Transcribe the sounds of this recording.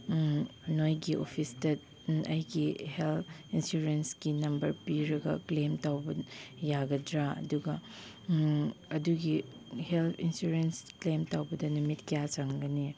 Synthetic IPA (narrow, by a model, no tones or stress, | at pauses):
nojɡiʔo̰pʰistɐ | ɐjɡiheltʰinsuɾensɡinɐmbɐɾpiɾɐɡɐ̰klemtawbɐjaɡɐdɾaɐ̰duɡɐ | ɐduɡi | heltʰinsuɾensklemtawbɐdɐnumitkijat͡ʃaŋɡɐni